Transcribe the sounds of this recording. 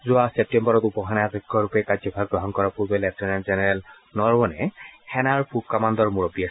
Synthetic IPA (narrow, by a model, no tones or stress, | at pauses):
zʊasep̚tɛmbɔɹɔtupɔxʰanatɔkʰːɔɹupɛkad͡ʒɔbʱaɡ̚ɡɹɔɦɔnkɔɹapuɹbɛlɛptɔnɛnzɛnɛɹɛl | nɔɹwɔnɛhʰɛnaɹpup̚kamand̪ɔɹmuɹɔbia